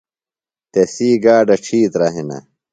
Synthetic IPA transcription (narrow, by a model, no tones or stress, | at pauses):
t̪esiːɡaːɖɐʈ͡ʂʰiːt̪ɾɐɦenɐ̰